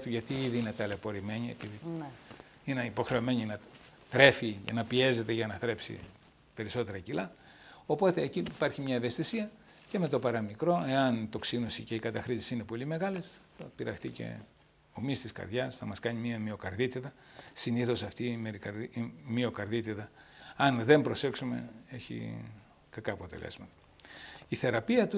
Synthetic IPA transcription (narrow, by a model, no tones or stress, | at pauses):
t̪uʝɐt̪iiðiinet̪ɐlepo̞ɾime̞ɲie̞̰piði | ineipo̞xɾe̞ome̞ɲinɐ | t̪ɾe̞fiʝɐ̰nɐpie̞ze̞t̪e̞ʝɐnɐθɾe̞psḭ | pe̞ɾiso̞t̪e̞ɾɐcilɐo̞po̞t̪e̞ːcipɐɾçimɲɐeve̞st̪isiɐ | ce̞me̞t̪o̞pɐɾɐmikɾo̞e̞ɐnit̪o̞ksinosice̞ikɐt̪ɐxɾisi̥sine̞po̞lime̞ɣɐlesθɐpiɾɐ̰xt̪ice̞̰ | o̞mist̪iskɐ̰ɾðʝɐsθɐmɐskɐɲimiɐmio̞kɐɾðit̪iðɐsiniθo̞sɐft̪imeɾikɐmio̞kɐɾðit̪iðɐɐnðe̞mbɾo̞se̞ksume̞̰eçḭ | kɐkɐːpo̞t̪e̞̰lḛzmɐt̪ɐ̥ | iθe̞ɾɐpiɐt̪u